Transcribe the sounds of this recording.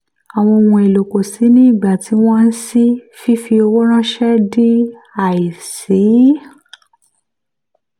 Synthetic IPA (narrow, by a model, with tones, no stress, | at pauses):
a˨w̃ɔ̃˧o˧wũ˧e˨lo˨ko˨si˨˦nĩ˦˨ɡ͡ba˨ti˨˦w̃ɔ̃˦n̩˦si˦fi˦fi˧o˧wo˦ɾ̃ã˦ʃɛ˦di˦ | a˦˨i˨si˨˦